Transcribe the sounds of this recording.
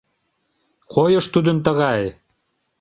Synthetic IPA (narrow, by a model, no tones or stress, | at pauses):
qojɤ̆ʃt̪ud̪ə̆nt̪̬ə̆ɣɑj